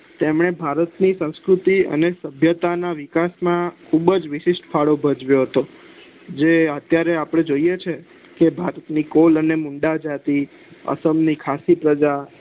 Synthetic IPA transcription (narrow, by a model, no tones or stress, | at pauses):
t̪emɳ̃ebʱaɾət̪nisə̃w̃skɾut̪iə̰nesəbʱjət̪anaʋɪkasmãkʰubəd͡ʒʋɪʃɪʃʈfʰaɽobʱəd͡ʒʋjoɦət̪o | d͡ʒeət̪jaɾeapɽ̃ẽd͡ʒoijet͡ʃʰe | kebʱaɾət̪nikolənemũɳɖad͡ʒat̪i | ə̰səmnikʰasipɾəd͡ʒa